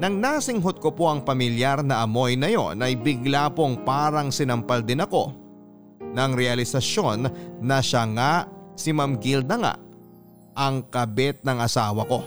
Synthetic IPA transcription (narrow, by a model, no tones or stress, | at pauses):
nɐŋnaːsɪŋɦod̪̚kopo̞ʔɐŋpɐmɪljaɾnɐʔɐmo̞jnɐjo̞̰nʔɐjbɪɡlapo̞ŋpaːɾɐŋsɪnɐmpɐld̪ɪnɐko̞ | nɐŋɾɛɐlɪsɐʃo̞nːɐʃaŋasɪmɐmɡild̪ɐŋa̰ʔ | ʔɐŋkɐbɛt̪̚nɐŋɐsaːwɐko̞